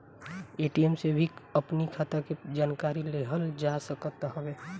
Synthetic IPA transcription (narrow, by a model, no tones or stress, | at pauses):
eːʈiɛmsebʱiəpnikʰat̪aked͡ʒaːnkaːɾileɦəld͡ʒasəkət̪ɦəʋeː